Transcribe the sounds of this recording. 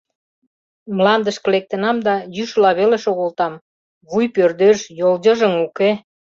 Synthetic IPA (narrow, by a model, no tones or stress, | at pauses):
mlɑnd̪əʃkə̆lek̚t̪ə̆nɑmd̪ɑjyʃlɑβeleʃoɣolt̪ɑm | βujpørd̪øʃjold͡ʑəʒə̆muke